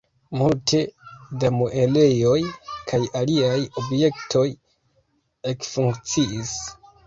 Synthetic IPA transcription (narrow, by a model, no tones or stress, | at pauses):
multe̞damoʔe̞le̞jo̞jkʰajaliajo̞bje̞ktʰo̞j | e̞kfuŋkt͡siis